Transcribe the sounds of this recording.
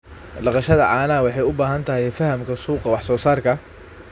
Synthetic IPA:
ɖɑqɑʃɐðɐ̰ʕɑːnɐwɑħɑjʊbaːɦɐnt̪ʰɐɦɛjfɐhɐmkʰɐsuːqɑwɑħsɔːsaːrkʰɐ

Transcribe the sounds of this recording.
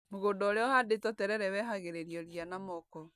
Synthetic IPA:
moɣondɔɾeɔhadetɔtɛɾɛɾɛwɛɦaɣeɾeɾjɔɾianamɔkɔ

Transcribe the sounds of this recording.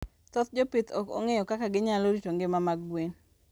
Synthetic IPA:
t̪ɔt̪d͡ʒopɪt̪ɔ̰kɔ̰ŋejɔkakaɡɪɲaloɾitoŋɡɪmamaɡwen

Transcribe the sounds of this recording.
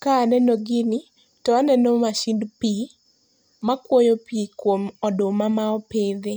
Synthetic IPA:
kanɛnoɡɪnɪ | tɔanɛnomaʃindpi | makwojopiikwomɔdʊmamaɔped̪e

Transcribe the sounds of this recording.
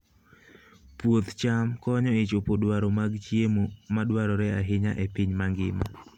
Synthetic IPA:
pwot̪t͡ʃamkɔɲɔɪt͡ʃopodwaɾɔmaɡt͡ʃjemomadwaɾɔɾɛaɦɪɲa̰ʔɛpɪɲmaŋɡɪ̰ma̰

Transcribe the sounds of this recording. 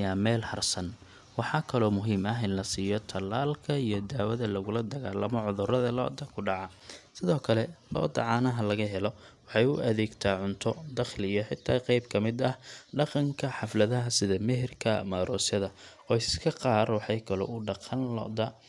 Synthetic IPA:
jaːmɛːlhɐrsɐn | wɑħɑːkʰɐlɔːmʊɦiːmɐɦɪnlɐsiːjɔt̪ʰɐlːaːlkʰɐijɞd̪aːwɐðɐlɐɣʊlɐd̪ɐɣaːlːɐmɔʕʊðʊrɐðɐlɔ̰ʔd̪ɐkʰʊɖɑʕɐ | sɪðɔːkʰɐlɛlɔ̰ːd̪ɐ̰ʕɑːnɐɦɐlɐɣɐɦɛlɔwɑħɑjʊʔɐðɛːɡt̪ʰaːʕʊnt̪ʰɔd̪ɐχlɪjɐħɪt̪ʰːaːqɑjbkʰɐmɪd̪ɐhɖɑqɑŋkʰɐħɑflɐðɐɦɐsɪðɐmɛɦɪrkʰɐ̰maːɾʔɔːsjɐðɐ | ɔːɪsskʰɐqɑːrwɑħɑjkʰɐlɔ̰ʊɖɑqʰɑnlɔ̰d̪ɐ

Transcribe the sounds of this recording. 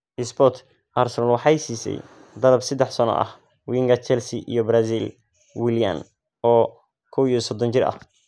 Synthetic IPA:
ʔɪsbɔt̪ʰ | ʔarsɛalwɑħɑjsiːsɛ̰j | d̪ɐlɐbsɛd̪ːɛħsɐnɔ̰ʔɐ̰h | wiŋɡɐt͡ʃɛlsiʔijɔbɾasil | wɪlijɐ̰n | ɔː | kʰɔwijɔsɔd̪ɔnt͡ʃɪrɐ̰h

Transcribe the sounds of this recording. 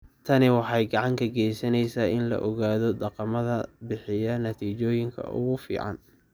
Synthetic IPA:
t̪ʰɐnɪwɑħɑjɡɑʕɑŋk̪ʰɐɡɛjsɐnɛjsaːɪnlɐ̰ʔɔɣaːðɔd̪ɑqɑmɐðɐbɪħɪjɐnɐt̪ʰiːt͡ʃɔːjɪŋkʰɐ̰ʔʊ̰ɣʊfḭːʕɑ̰n

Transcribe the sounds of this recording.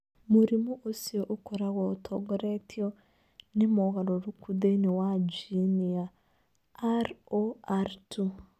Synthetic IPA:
muɾimuʔosioʔokoɾaɣotʰoɡoɾetʰio | nimoɣaɾoɾukudeniwad͡ʒinia | aɾoaɾtu

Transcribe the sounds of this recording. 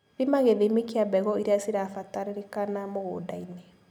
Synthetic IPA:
βimaɣeðemekiabɛɣɔiɾeasiɾafataɾeɾekanamoɣo̰daine

